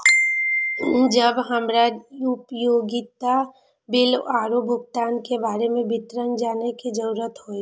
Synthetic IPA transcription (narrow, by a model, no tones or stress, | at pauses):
d͡ʒəbɦəmɾaupjoːɡit̪a | bɪlaːɾobʱʊɡt̪aːnkebaːɾemẽbʱɪt̪ɾənd͡ʒaːneked͡ʒəɾuɾət̪ɦoːi